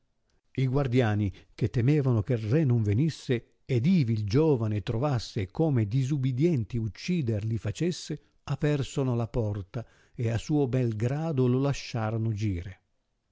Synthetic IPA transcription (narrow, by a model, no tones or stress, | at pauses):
iɡward̪jaːnik̟et̪ːɛmɛːvanokerːɛnoɱvenisːe | ed̪iːvild͡ʒɔːvanet̪ɾovasːekoːmed̪izubid̪jɛnt̪iut͡ʃːiːd̪erlifat͡ʃesːe | apɛrsonolapɔrt̪a | easuːobɛlɡɾaːd̪ololaʃːaːɾonod͡ʒiːɾe